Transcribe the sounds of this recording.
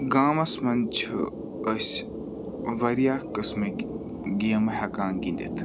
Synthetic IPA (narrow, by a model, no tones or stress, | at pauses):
ɡaːmɐsmɐnt͡ʃʰ | əsʲ | ʋɐɾijaːkəsmɐ | ɡijɐmɐhɐkãːnɡind̪ḭt̪ʰ